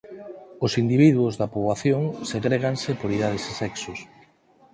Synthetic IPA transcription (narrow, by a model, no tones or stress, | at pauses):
ʊsind̪iβ̞iðwʊzðɐpoβaθjoŋsetɾeɣaŋsepoɾið̞að̞esesɛksʊs